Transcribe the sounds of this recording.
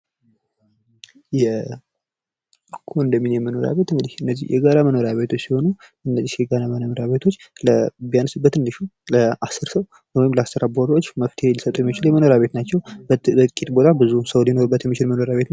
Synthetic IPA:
jɛ | kʰoɨnd̪əmːinjɛməno̞ɾa̰βe̞t̪ɨŋɡɨd̪ihɨnːəzːihjɛ̰ɡaɾaməno̞ɾaβe̞t̪ʰo̞t͡ʃːsiho̞nu | ɨnːəzːihjɛɡaɾamənomoɾaβe̞t̪ʰo̞t͡ʃːləbijanɨsɨbːət̪ɨndɨʃuləasɨɾsəw | nwjɪmləast̪əɾaboɾot͡ʃːməft̪ʰehelisət̪ʼujɛmːit͡ʃɪljɛməno̞ɾaβe̞t̪nat͡ʃːɛwbət̪ʼkʼit̪ʼbo̞t̪ʰʼabɨzusəwlino̞ɾubːət̪jɛmːit͡ʃɪlməno̞ɾaβe̞t̪n

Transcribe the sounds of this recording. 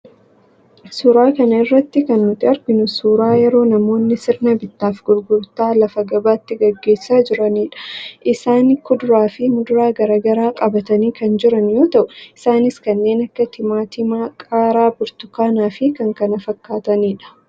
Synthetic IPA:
suːɾaːkɐnɐɪrːɐt̪ːɪkɐnːʊt̪ːɪɐɾɡɪnʊsuːɾaːjɛɾo̞ːnɐmo̞ːnːɪsɪɾnɐbɪt̪ːaːfɡʊlɡʊɾt̪aːlɐfɐɡɐbaːt̪ːɪɡɐɡːe̞ːsːaːd͡ʒɪɾɐniːᶑɐ̥ʔɪsaːnɪkːʊd̪ʊɾaːfɪmʊd̪ʊɾaːɡɐɾaːɡɐɾaːkʼɐbɐt̪ɐniːkɐnd͡ʒɪɾɐnjo̞ːt̪ɐʔʊɪsaːnɪskɐnːe̞ːnɐkːɐt̪ʰɪmaːt̪ɪmaːkʼaːɾaːbʊɾt̪ʊkaːnaːfɪkɐŋkɐnɐfɐkːaːt̪ɐniːᶑɐ̥

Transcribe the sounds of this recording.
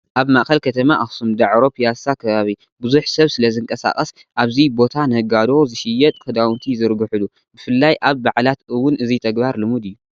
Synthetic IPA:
ʔaβmaʔxɐlkʰɐt̪ʰɐmaʔaxsumd̪aʕɾo̞pʰijasakʰɐβaβi | bʊzuħsɐβsɨlɐzɨŋkʼɐsa̰kʼɐs | ʔaβzibo̞t̪ʰanɨhɨɡad̪o̞zɨʃɪjːɛt̪ʼkʰɨd̪awnt̪ʰizɨɾɡɨħɨlu | bɨfɨlːajʔaβbaʕlat̪ɨwːʊnɨzit̪ʰɐɡbaɾlɨmud̪ɨjːu

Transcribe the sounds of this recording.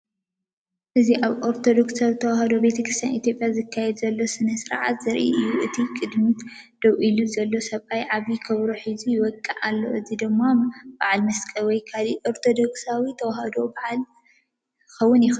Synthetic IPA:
ʔɨziʔaβʔoɾt̪ʰo̞d̪o̞ksawit̪ʰɐwahɐd̪o̞be̞t̪ʰɐkʰɾɨst̪ʰja̰nʔit̪ʰjo̞pʼjazɨkʰːajɛd̪zɐlːo̞sɨnɐsɨɾʕa̰t̪zɨɾʔḭʔɨjːuʔɨt̪ʰikʼɨd̪mi | d̪̥ɐwʔiluzɐlːo̞sɐβajʕaβikʰɐβɾoħizijɪwɔkʼːɨʕalːo̞̰ʔɨzid̪ɨmːab̥aʕalmɐskʼɐwɔjkʰaliʔoɾt̪ʰo̞d̪o̞ksawit̪ʰɐwahɐd̪o̞baʕal | xɐwːʊnjɪx

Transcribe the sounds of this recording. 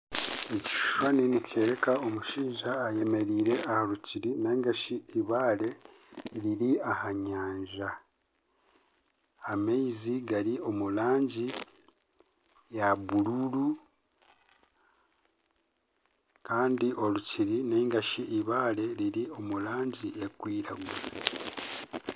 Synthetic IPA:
eci̥ʃu̥ʃwaninice̞ːɾekao̞muʃiːʒaːje̞me̞ɾiːɾe̞ʔahaluciɾineŋɡaʃiiβaːle̞ | ɾiɾiahaɲaːɲʒa | meiziɡaɾio̞mulaːɲɟi | jaβululu | kaːndiʔo̞luciɾineŋɡaʃiiβaːle̞ɾiɾio̞mulaːɲɟiekwiːɾaɡwa

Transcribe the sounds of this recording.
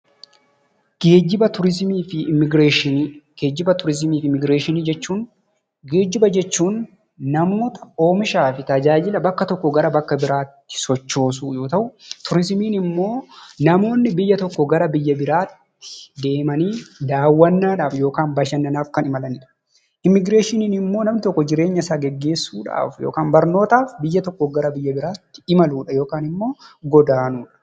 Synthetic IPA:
ɡ̥eːd͡ʒɪbɐt̪ʊɾɪzmiːfɪmɪɡɾeːʃɪɡeːd͡ʒːɪbɐt̪ʊɾɪzmiːfɪmɪɡɾeːʃɪniːd͡ʒɛt͡ʃːuːn | ɡe̞ːd͡ʒɪbɐd͡ʒɛt͡ʃːuːnː | ɐmoːt̪ɐ̥o̞ːmɪʃaːfɪt̪ɐd͡ʒaːd͡ʒɪlɐbɐkːɐt̪ɔkːɔɡɐɾɐbɐkːɐbɪɾaːt̪ːɪ̥sɔt͡ʃːo̞ːs̬uːjo̞ːt̪ɐʔʊt̪ʊɾɪzmiːnɪmːo̞ːnɐmo̞ːnːɪbɪjːɐt̪ɔkːɔɡɐɾɐbɪjːɐbɪɾaːt̪ːɪ̥d̪e̞ːmɐniːd̪aːwːɐnːaːᶑaːfjo̞ːkaːnbɐʃɐnːɐnaːfkɐnɪmɐlɐnɪᶑɐ̥ | ʔɪmːɪɡɾe̞ːʃɪniːnɪmːo̞ːnɐmnɪt̪ɔkːɔd͡ʒɪɾe̞ːɲːɐsaːɡɛɡːe̞ːsːuːᶑa̰ːfjoːkaːmbɐɾno̞ːt̪aːfbɪjːɐt̪ɔkːɔɡɐɾɐbɪjːɐbɪɾaːt̪ːɪ̥ɪmɐluːᶑɐjo̞ːkaːnɪmːo̞ːɡɔd̪aːnuːᶑɐ̥

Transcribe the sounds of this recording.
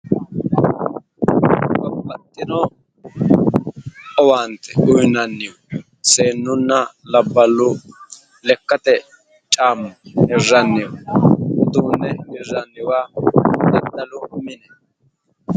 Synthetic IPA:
bɐbɐt̪ːɪnɔ | ɔwaːnt̪ɛ̥ʔʊjnɐnːɪjɔ | se̞ːnːʊnːɐlɐbːɐlːʊ | lɛkːɐt̪ɛ | t͡ʃʼaːmːʊhɛrːɐnːɪjɔ | d̪uːnːɛmɪrːɐnːɪwaːd̪ɐd̪ːɐlʊmɪnɛ

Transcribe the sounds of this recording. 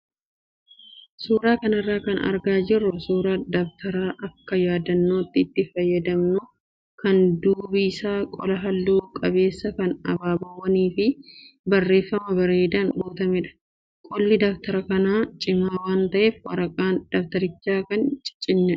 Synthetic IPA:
suːɾaːkɐnɐrːaːkɐnɐ̰ɾɡaːd͡ʒɪrːʊsuːɾaːd̪ɐft̪ʰɐɾaːʔɐkːɐjaːd̪ɐnːoːt̪ːɪːt̪ːɪfɐjːɐd̪ɐmnʊ | kɐnd̪uːbiɪsaːkʼɔlɐɦɐlːuːkʼɐβe̞ːsːɐkɐnɐbaːbɐwːɐniːfɪbɐrːe̞ːfːɐmɐbɐɾeːd̪aːŋɡoːt̪ɐmɛᶑɐ̥ | kʼɔlːɪd̪ɐft̪ɐɾɐkɐnaːt͡ʃʼɪmaːwaːnt̪ɐʔeːfwɐ̰ɾɐkʼaːnd̪̥ɐft̪ɐɾɪt͡ʃːaːkɐnt͡ʃʼɪ̥t͡ʃʼɪnːɛ

